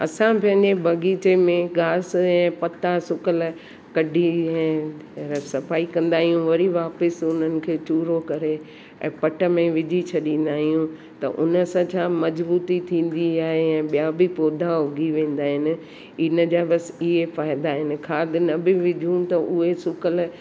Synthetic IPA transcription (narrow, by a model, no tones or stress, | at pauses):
ɐ̰sãpɐ̃ɦɪ̃ɲd͡ʑebʱɐɡiːt͡ɕemẽɡaːsɛ̃ːpɐt̪asʊkəl | kɐɖʱiɛ̃ː | sɐfaːikɐ̃nd̪aːɦijũʋɐɾiʋaːpɪsʊn̤ənɪ̆kʰeːt͡ɕuːɾokɐɾe | ɛ̰̃ːpɐʈə̆mẽʋɪd͡ʑʱit͡ɕʰɐɗĩːn̆d̪aːɦijũ | t̪ɐ̰ʔʊ̰nə̆sãt͡ɕʰãːmɐd͡ʑbuːt̪it̪ʰĩːn̆d̪iaːɦeɛ̃ːɓijãbɪpoːd̪ʱaɦʊɡʱiʋẽːn̆d̪aːɦɪnɪ̆ | ɪnəd͡ʑaːbɐsɪɦefaːɪd̪aːɦɪnɪ̆kʰaːd̪ɪnɐbɪʋɪd͡ʑʱũt̪ɐʔʊɦesʊkəl